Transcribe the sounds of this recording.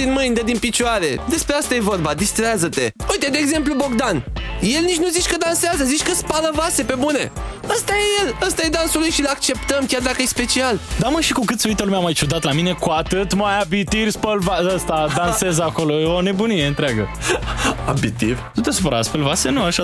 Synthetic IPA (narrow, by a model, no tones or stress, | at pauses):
d̪inmɨjnd̪əd̪inpit͡ʃuaɾe̞d̪e̞spɾeast̪aje̞vo̞rbad̪ist̪ɾazət̪e̞ujt̪e̞d̪eːɡze̞mplubo̞ɡd̪anje̞lnit͡ʃʲnuzit͡ʃʲkəd̪anseazəzit͡ʃʲkəspaləvase̞pe̞bune̞̰əst̪aje̞je̞ləst̪aje̞d̪ansulujʃilak̚t͡ʃe̞pt̪əmkʲard̪akəjespe̞t͡ʃiald̪aməʃikukɨt̪seujt̪əlumeamajt͡ʃud̪at̪lamine̞kuat̪ɨt̪majabit̪irʲspəlvaəst̪ad̪anse̞zako̞lo̞eone̞bunieɨnt̪ɾeaɡə | abit̪ivt̪ut̪esupəɾa̰sfelvase̞nuaʃa